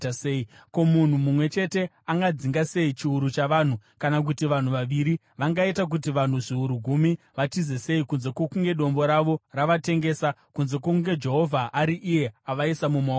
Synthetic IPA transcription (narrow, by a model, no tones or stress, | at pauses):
seiko̞mun̤umumwe̞t͡ʃe̞te̞ | aŋɡad͡ziŋɡase̞it͡ʃiuɾut͡ʃaʋaːn̤ukanak̬utiʋan̤uʋaʋiɾi | ʋaŋɡaitak̬utiʋan̤uʐiuɾuɡʱumi | ʋatizese̞ikunze̞kokuŋɡe̞ɗo̞mbo̞ɾaʋo̞raʋate̞ŋɡe̞ːsakunze̞k̬okŋɡe̞d͡ʒe̞ɦo̞vʱaʔaɾiʔije̞aʋaisamuma